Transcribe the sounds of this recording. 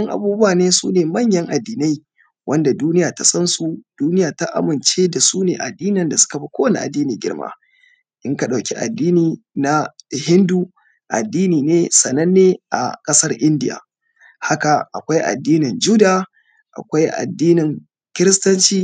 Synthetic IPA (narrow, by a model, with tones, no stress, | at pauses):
ɐ˦ŋʔa̰˨buː˦bʊ˦aː˨neː˦sṵː˦neː˨mɐ˦˨ɲjɐ˦ŋʔa˨dːiː˨na˦j | wʔɐ˦nda˨duː˦nɪ˦jaː˨ta˨sɐ˦nsu˨d̥uː˦nɪ˦jaː˨ta˦ʔa̰˦mɪ˨nt͡ʃeː˦da˨suː˦neː˨ʔa˨dːiː˦nɪ˨nda˨sʊ̥˦ka˨ɸi˦kʷoː˦wɐ˨ni˦ʔa˨dːiː˦niː˨ɡʲɪ̰˦ɽma̰ː˦ | ʔɪ˦ŋka˨ɗa˨wkʲi˦ʔa̰˨dːiː˦niː˨na˦hɪ˦nduː˦ | ʔa̰˨dːiː˦niː˨neː˦sɐ˨nɐ˦nːeː˦ʔa̰˨kʼɐ˦sɐ˦rʔɪ˦ndɪ˦ja̰ː˨ | ha˦ka˨ʔa˨kʷa˦jʔa̰˨dːiː˦nɪ˨nd͡ʒu˦da˦ | ʔa̰˨kʷa˦jʔa̰˨dːiː˦nɪ˨ŋ | kʲɪ˦ɾɪ˦stɐ˦nt͡ʃiː˦